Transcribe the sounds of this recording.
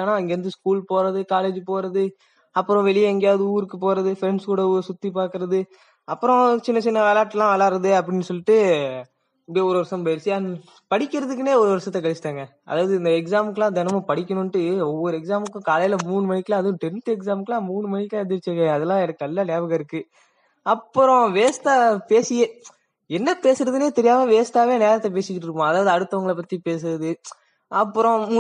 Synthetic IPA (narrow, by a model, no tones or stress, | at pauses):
aːnaːɐŋɡeːɾɯnd̪ɯskuːlpoːɾɐðɯkaːleːd͡ʒɯpoːɾɐðɯ | ɐpːɯɾɔ̃ʋɛɭɪjɐɛŋɡejaːðɯuːɾɯkːɯpoːɾɐðɯfɪɾɛɳskuːɽɐsʊt̪ːipaːɾkɯɾɐðɯ | ɐpːɯɾɔ̃t͡ʃɪnːɐt͡ʃɪnːɐʋeːlaːʈːlãːʋɛːɭaːɾɐðɯɐpːɐɽɪnːɯsɔlːɪʈːɯ | ɐpɐɽijɔɾɯʋɐɾsɐmpɐjɪɾsɪja | pɐɽɪkʲːɪɾɐðɯk̬ːɯneːɔɾɯʋɐɾsɐt̪ːɐkɐɭɪt͡ʃɪ̥ʈ̪ːaːŋɡɐ | ɐ̰ðaːʋɐðɯɪnd̪ɐɛksaːmɯkːɐlãːd̪ɛnɐmɐ̃pɐɽɪkʲːɐnʊnʈːɯɔʋːɔɾɯɛksaːmɯkːʊ̃kaːlɐjɪlɐmuːɳɯmɐɳɪkːɪlãɐðʊ̃ʈɛnʈɯɛks̬aːmkːlãːmuːɳɯmɐnɪkːlɐ̃ɛd̪ɪɾɪt͡ʃːŋɡɐɐðɛlːãːɛɽɐkːɐlːaːneːʋɐɣɐɪɾɯkːɯ | ɐpːɯɾɔ̃ʋeːst̪aːpeːsɪje | ɛnːɐpeːsɪɾɐðɯneːt̪ɛɾɪjaːmɐʋeːst̪aːʋeːneːɾɐt̪ːɛp̬eːsɪkːɪʈːɾɯkːõɐðaːʋɐðɯɐɽɯt̪ːɐʋɐŋɡɐɭɐpɐt̪ːipeːs̬ɯɾɐðɯ | ɐpːɯɾɔ̃